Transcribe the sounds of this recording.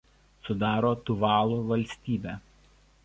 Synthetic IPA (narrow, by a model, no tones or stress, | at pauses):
sʊd̪ɑːɾoːt̪ʊʋɑːlˠuːʋɐlʲsʲt̪ʲiːbʲæː